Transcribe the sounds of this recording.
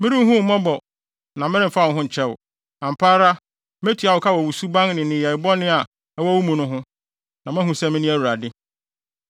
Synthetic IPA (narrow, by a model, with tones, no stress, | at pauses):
mɪ̃˦ɾĩ˦m˦ɦʊ̃˦m̩˨mɔ̃˦bɔ˨ | nã˨mɪ̃˦ɾɪ̃˦˨fa˦˨ʊ̃˨˦ɦʊ̃˦ɲ̩˨t͡ɕʰɛ˦wʊ̰˨ | nã˨m̩˨pʰaː˦ɾa˦ | m˦æ˦tʰi˨˦a˨wʊ˨kʰa˦wɔ˨wu˨su˦bã˦ŋnɪ̃˨nɪ̃˨jɛ˨bɔ˦nɪ̃˦a˨ | ɛ˦wɔ˦wu˦mũ˨nʊ̃˦ɦʊ̃˦ | nã˨mɛ̃˦ɦũ˨sɛ˦˨mɪ̃˦nĩ˦æ˦˨wu˨ɾa˨dɪ˦